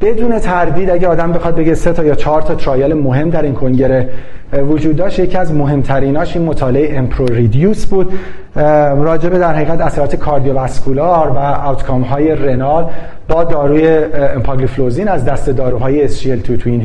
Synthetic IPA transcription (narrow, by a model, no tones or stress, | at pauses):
b̥e̞d̪uːne̞t̪ʰæɾd̪iːd̪æɟeɒːd̪æmbe̞xɒːd̪̚be̞ɡɟe̞set̪ʰɒːjɒːt͡ʃʰɒːɾt̪ʰɒːt̪ʰɾɒːjelemo̞ɦe̞md̪æɾiːnkʰo̞ŋɟe̞ɾe | vod͡ʒuːd̪ːɒːʃt̪jecʰiæzmo̞ɦe̞mt̪ʰæɾiːnɒːʃiːnmot̪ʰɒːleeeʔempʰɾoɾid̪juːsbuːd̪ | rɒːd͡ʒebe̞d̪æɾhæiːɣæt̪æsæɾɒːt̪ʰe̞kʰɒːɾd̪ijo̞væskʰulɑɾvææwt̪ʰkʰɒːmɦɒːje̞re̞nɒɾl | bɒːd̪ɒːɾuːjeempʰɑɡlifloziːnæzd̪æst̪e̞d̪ɒːɾuːɦɒːjeːsʃielt̪ʰut̪ʰuin